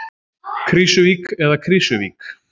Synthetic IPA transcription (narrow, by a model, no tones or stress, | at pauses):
kʰɾisʏvikɛðakʰɾisʏvḭk